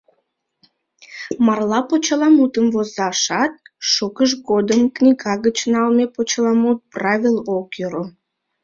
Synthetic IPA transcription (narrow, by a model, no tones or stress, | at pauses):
mɑrlɑpot͡ɕəlɑmut̪əmvozɑʃɑt̪̚ʃokəʃ̬ɡod̪əmknʲiɡɑɣət͡ɕnɑlmepot͡ɕəlɑmut̪̚prɑvʲilˠokjəɾo